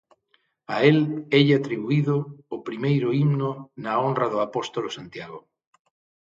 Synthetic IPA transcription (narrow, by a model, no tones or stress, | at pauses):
aelɛʎat̪ɾiβuiðʊːpɾimejɾʊimnʊnaonraðʊapost̪olosant̪jaɣo